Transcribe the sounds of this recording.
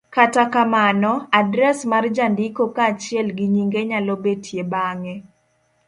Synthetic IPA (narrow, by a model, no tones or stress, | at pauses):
katakamanɔadɾɛsmard͡ʒandɪkokaːt͡ʃɪɛlɡiɲiŋɡeɲalɔbetʰjebaŋɛ